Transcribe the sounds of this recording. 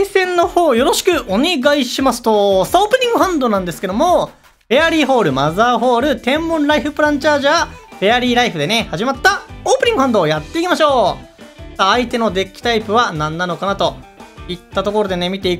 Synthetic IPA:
aisẽ̞nːo̞ho̞ːjo̞ɾo̞ɕi̥kɯ̟ʔo̞ne̞ɡaiɕimasɨ̥t̪o̞saoːpɯ̟ɲ̟ĩŋɡɯ̟ɦãnd̪o̞nãnd̪e̞sɨ̥ke̞d̪o̞mo̞ | b̥e̞aɾʲiːɦo̞ːɾɯ̟mazaːɦo̞ːɾɯ̟t̪ẽ̞mːõ̞nɾaiɸɯ̟pɯ̟ɾãɲt͡ɕaːʑab̥e̞aɾʲiːɾaiɸɯd̪e̞ne̞haʑimat̪ːaoːpɯ̟ɲ̟iŋɡɯ̟hãnd̪o̞ːjat̪ːe̞ikʲimaɕo̞ː | saːit̪e̞no̞d̪e̞kʲːi̥t̪aipɯ̟βanãnːano̞kanat̪o̞it̪ːat̪o̞ko̞ɾo̞d̪e̞ne̞mʲit̪e̞ik

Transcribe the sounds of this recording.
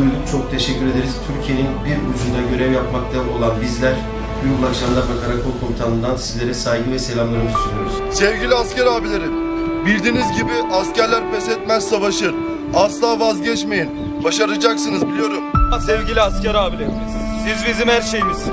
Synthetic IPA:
yjd̪ʲyt͡ʃʰo̞k̚t̪ʰe̞ʃɛcʰːyɾe̞d̪eɾizt̪ʰyɾcʰije̞ninbiɾṵd͡ʒund̪aɟø̞ɾɛvjapmak̚t̪ʰano̞lˠanbizlʲæɾ | byɾbulˠakʃamd̪ˠaɾbakʰaɾakʰolˠkʰomit̪ʰanɯnd̪ansizlʲe̞ɾɛsajɡɯvɛse̞lʲamlˠaɾɯmɯt̪ʰyɾyjo̞ɾuz̥sɛvɟilʲiascæɾaːbilʲeɾin | bilʲd̪iːnizɟibiʔascæɾlʲæɾbɛsɛt̪̚mæzsavaʃɯɾ̥ | aslˠaːvazɟɛt͡ʃme̞jin | baʃaɾad͡ʒaksɯnɯzbilʲijoɾumsɛvɟilʲiascæɾaːbilʲeɾimz | sizbizimhæɾʃejmiz̥

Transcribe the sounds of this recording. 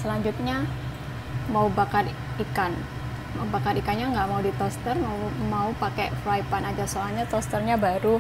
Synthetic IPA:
səlaɲd͡ʒut̪̚ɲa | maubakar | ikan | maubakaɾikanɲaŋɡaʔmaudit̪ɔst̪ərmamaupakefɾaipanad͡ʒasoalɲat̪ɔst̪ərɲabaɾu

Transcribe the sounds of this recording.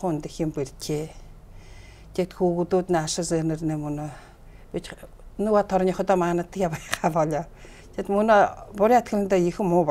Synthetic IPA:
χʊnt̪eximperʲt̪ʲʰeː | t̪ʰekt̪xuːɣut̪uːt̪naaʃɪ̆senɘ̆rneːmɵno | pit͡ɕ | nuwaːt̪ʰɔɾnʲiːχɔt̪ɔːmaːnə̆t̪ʰːə̆kʲjapajχaːpɔɮɔ | t̪ʰet̪mɵnopʊɾʲiat̪kɘ̆ɮɘ̆nt̪aːjixɘ̆mːʊːp

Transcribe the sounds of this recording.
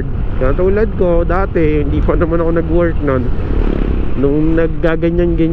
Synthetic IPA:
t̪̚kat̪ʊlad̪̚ko̞d̪aːt̪ɛhɪnd̪iːpɐnɐmanɐko̞nɐɡwɛɹk̪̚non | nʊŋnɐɡ̚ːaːɡɐɲanɡɐɲ

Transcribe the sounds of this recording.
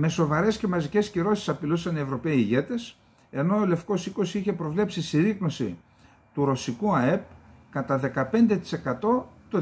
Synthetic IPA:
me̞so̞vɐɾe̞sce̞mɐzice̞sciɾo̞si̥sɐpilusɐnievɾo̞pe̞iːʝe̞t̪e̞s | e̞no̞ole̞fko̞siko̞siiçe̞pɾo̞vle̞psisiɾiɣno̞sḭ | t̪uɾo̞sikuɐe̞p̚kɐt̪ɐðe̞kɐpe̞nd̪e̞t̪i̥se̞kɐt̪o̞t̪o

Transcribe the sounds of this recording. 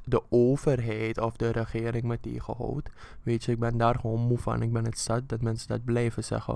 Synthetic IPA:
dəʔoːvərɦɛjtɔfdəɾəχɪːɾɪŋmɛtḛːχə̰ɦɔ̰ːtʋeːtjəɪk̚bɛndaːrχoːnmufa̰nɪk̚bɛnətsat̚dɔtmɛnsədɔt̚blɛjvəsɛ̰χə̰

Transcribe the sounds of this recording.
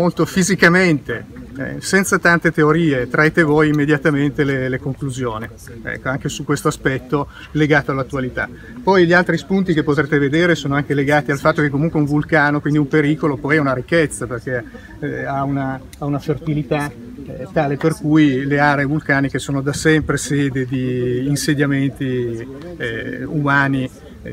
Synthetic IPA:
molt̪ofizikament̪eɛ̰sɛnt̪sat̪ant̪et̪eoɾiːet̪ɾaet̪evojimːed̪jat̪ament̪elelekoŋkluzjoːni | ɛ̰kːoaŋk̟esukwest̪oaspɛt̪ːo | leɡaːt̪oalːat̪ːualit̪a̰ | pɔjʎialt̪ɾispunt̪ikepːot̪ɾeːt̪eved̪eːɾesoːnoaŋkeleɡaːt̪ialfat̪ːokekːomuŋkweuɱvulkaːnokwind̪iumpeɾiːkolopɔjɛunaɾikːet̪sːaperk̟e | auna | aunafert̪ilit̪a | t̪aːleperkujleaːɾeːvulkaːnik̟esoːnod̪asɛmpɾeseːd̪ed̪iːnsed̪jament̪i | umaːni

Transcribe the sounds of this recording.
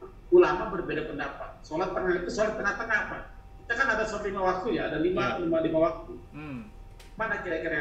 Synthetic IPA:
ulamabərbedapəndapa̰t̪̚solat̪̚pərnait̪usolat̪̚pənat̪aŋapa | kit̪akanadasolat̪limawak̚t̪ujaːdalimalimalimawak̚t̪u | manakiɾakiɾa

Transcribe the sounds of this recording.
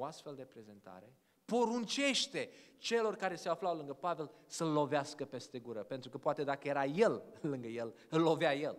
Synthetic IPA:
oast̪fe̞ld̪e̞pɾe̞ze̞nt̪a̰ɾe̞ | po̞ɾunt͡ʃe̞ʃt̪e̞t͡ʃe̞lo̞rkaɾe̞seaflawlɨŋɡəpave̞lsəlːo̞veaskəpe̞st̪e̞ɡuɾəpent̪ɾukəpoat̪e̞d̪akəje̞ɾaje̞llɨŋɡəje̞l | ɨlːo̞veaje̞l

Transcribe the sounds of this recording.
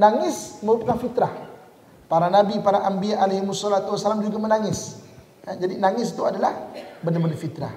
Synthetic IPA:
naŋɪsməɾupakanfit̪ɾah | paɾanabipaɾaʔambiaʔalahimusɔlat̪uwasːalamd͡ʒuɡamənaŋɪs | ad͡ʒadinaŋɪsi̥t̪uadalahbəndamənafit̪ɾa̰h

